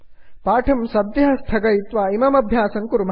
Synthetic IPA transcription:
paːʈʰɐmsɐd̪jɐɦɐst̪ʰɐɡɐjit̪ʋaːimɐmɐbʱjaːsɐŋkuɾum

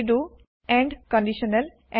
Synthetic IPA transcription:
ɖu | ɛ̃ɳɖkɔ̃ɳɖiʃənəl | ʔɛ̃

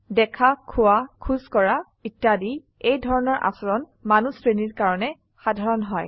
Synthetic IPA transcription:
dɛkʰakʰʊwakʰuzkɔɹa | itːadi | ejdʱɔɹɔnɔɹʔa̰sɔɹɔn | manusɹeniɹkaɹɔnɛ | xadʱaɹɔnɦɔj

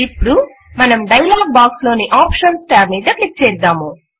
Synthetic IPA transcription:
ipːuɽu | mɐnɐmɖɐjlaːɡ̚baːkslo̞ːniʔaːpʂɐnsʈaːɾmiːd̪ɐklik̚t͡ʃɛːɾd̪aːmu

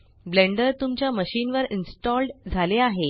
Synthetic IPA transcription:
bleɳɖəɾt̪umt͡ɕjaməɕiːnʋəɾinsʈɔlɖd͡zʱaleaɦe

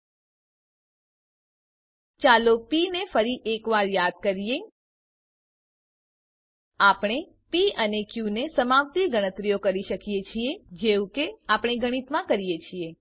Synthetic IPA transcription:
t͡ʃalopinefʰəɾiʔekʋaɾjad̪̚kəɾije | apɽ̃e | piənekjunesəmaʋt̪iɡəɽ̃ət̪ɾijokəɾiʃəkijet͡ʃʰied͡ʒeʋũkeapɽ̃eɡəɽ̃it̪mãkəɾijet͡ʃʰie

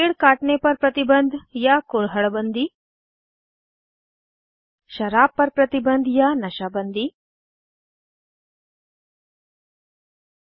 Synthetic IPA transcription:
eɽkaːʈɳepɐɾpɾɐt̪ibənd̪ʱjakoɭɦɐɭbənd̪iː | ʃɐɾaːpːɐɾpɾɐt̪ibənd̪ʱjaːnɐʃaːbənd̪iː

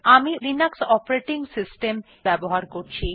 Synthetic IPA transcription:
amiɾinaksɔpaɾeʈiŋsisʈem | bɛboɦaɾkoɾt͡ɕʰi

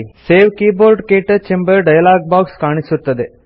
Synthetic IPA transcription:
seːʋkiːboːɾɖkeːʈɐt͡ʃembɐɾɖɐjɐlaːɡ̚baːkskaːɳisut̪ːɐd̪e

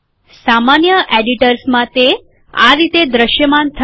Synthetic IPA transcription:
samanjəʔeɖiʈəɾsmãt̪e | a̰ɾit̪ed̪ɾəʃjəmant̪ʰə

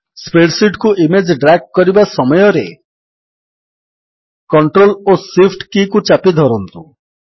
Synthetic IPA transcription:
speɽsiʈkuʔimed͡ʒɖɾak̚kɔɾibasɔmɔjɔɾe | kɔɳʈɾolosifʰʈkikut͡ʃapid̪ʱɔɾɔnt̪u

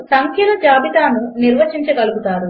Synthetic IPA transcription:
sɐŋkʰjɐlɐd͡ʒaːbit̪aːnuniɾʋɐt͡ʃiɲt͡ʃɐɡɐluɡut̪aːɾu

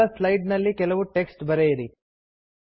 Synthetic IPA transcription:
ɐslɐjɖnɐlːikɛlɐʋuʈe̞ksʈbɐɾejiɾi

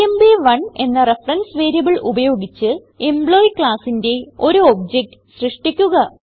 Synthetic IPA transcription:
embiʋɐɳe̞nːɐrefrɐnsʋe̞ːɾijɐbɨɭubɐjo̞ːɡit͡ɕːɨ | embɭo̞ːjkɭaːsinde̞o̞ɾuoːb̚d͡ʑek̚ʈ | ɕrɨʂʈikʲːuɣɐ

